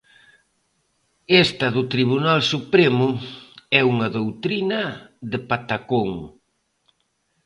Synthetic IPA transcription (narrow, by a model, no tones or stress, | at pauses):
est̪ɐðʊt̪ɾiβunalsupɾemʊɛuŋɐðowt̪ɾinɐðɪpat̪akoŋ